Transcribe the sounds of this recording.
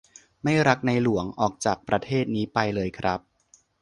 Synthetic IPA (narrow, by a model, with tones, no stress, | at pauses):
ma˥˩jɾa˦˥k̚na˧jlu˩˦əŋʔɔː˨˩k̚t͡ɕaː˨˩k̚pɾa˧t̪ʰeː˥˩t̪̚niː˦˥pa˧jlɤː˧jkʰɾa˦˥p̚